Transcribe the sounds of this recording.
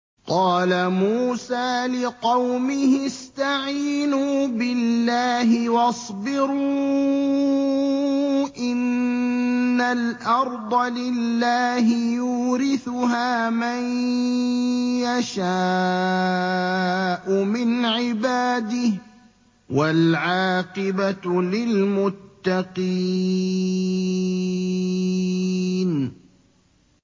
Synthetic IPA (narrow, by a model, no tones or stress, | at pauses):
qɑːlamuːsaːlɪqɑwmɪhɪst̪aʕiːnuːbɪllːaːɦɪwɑsˤbɪɾu | ʔɪnː | alʔɑɾˤd̪ˤɑlɪlːaːɦɪjuːɾɪθʊɦaːman | jaʃaː | ʔʊmɪnʕɪbaːd̪ɪh | walʕɑːqɪbalɪlmʊt̪ːɑqi | n